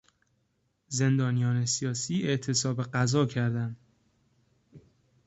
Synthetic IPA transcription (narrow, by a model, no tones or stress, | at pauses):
ze̞nd̪ɒːnijɒːne̞sijɒːsiːe̞ʔt̪ʰe̞sɒːbeɢæzɒːcʰæɾd̪æn